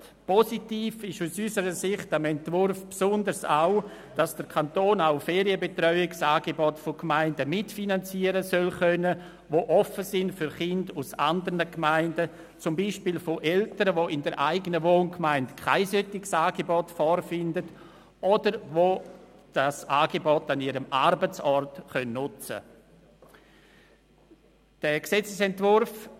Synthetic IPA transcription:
pʰɔsitiːfɪʃusysəɾəsɪχtamɛntvʊɾfpsʊndəɾsa̰ʊ | d̥asd̥əɾkʰantoːnaʊfɛːɾiəbetrɔʏɪɡsaːɡebɔtfokmaɪndəmɪtfinant͡siːəɾəsœlχœnə | voʔɔfəsɪndfʏɾχɪndusa̰ndəɾnəkmaɪndə | t͡sʊmbiːʃpiːlfoʔɛltəɾəʋoʔɪndəɾʔa̰ɪɡənəvoːnkmaɪndkʰaɪsœtɪɡsaːɡebɔtfɔɾfɪndət | ʔɔdəɾvo | d̥asaːɡebɔtaniɾəmarbət͡sɔrtχœnːnʊt͡sə̰ | d̥ɛːksɛt͡səsɛntvʊɾf

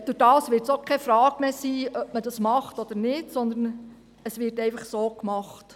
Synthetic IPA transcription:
d̥ʊdɑːsʋɪːɾtsokχɛfɾɑːɡ̥meːsiːœpmədɑsmɑχtɔd̪əɾnɪtsɔnd̪ən | əsʋɪːɾtɛɪfɑχsoːkmɑχt

